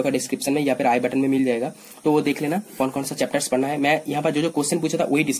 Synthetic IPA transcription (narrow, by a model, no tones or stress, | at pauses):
okaɖɪskɾɪpʃənmẽjafʰɪɾaːibɛʈənmẽmɪld͡ʒaːeːɡaː | t̪oʋod̪eːkʰleːnakɔːnkɔːnsat͡ʃɛːp̚ʈəɾspɐɽnaɦɛmɛ̃ːjɐɦãpəɾd͡ʒoːd͡ʒoːkoːsʈɪ̃np̬uːt͡ʃʰat̪ʰa̰ʋʔoːɦiɖɪs